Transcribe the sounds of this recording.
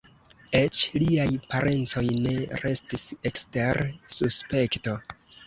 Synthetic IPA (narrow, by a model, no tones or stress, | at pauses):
e̞t͡ʃliajpaɾʔe̞nt͡so̞jne̞ɾe̞stisekste̞ɾsuspe̞kto̞